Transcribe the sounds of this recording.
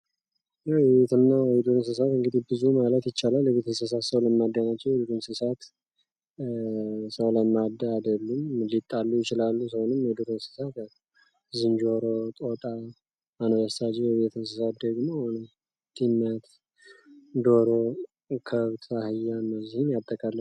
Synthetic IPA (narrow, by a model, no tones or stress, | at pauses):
jɛjβet̪ʰɨnːaid̪uɾɨnsɨsat̪ɨŋɡɨd̪ihbɨzumalət̪jɪt͡ʃːalaljɛβet̪ʰəsəs̬asəwləmːad̪ːanat͡ʃːɛwid̪uɾɨnsɨsat̪ | səwləmːad̪aːd̪əlːumlit̪ʼːalːujɪt͡ʃɪlalːusəwonɨmejd̪uɾɨnsɨ̥sat̪ | zɨnd͡ʒo̞ɾot̪ʼot̪ʼa | manβəstad͡ʒɛjɛβet̪ʰɨns̬ɨsat̪̚d̪əɡmohonəm | t̪ʰimːjat̪ | d̪o̞ɾo̞ | kʰəβt̪ʰahɨjːanːəwzihɨnjat̪ʼːəkʼalːə